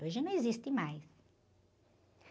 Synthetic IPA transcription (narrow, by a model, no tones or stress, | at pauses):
oʒnɐ̃w̃ezist̪ɪ̃majs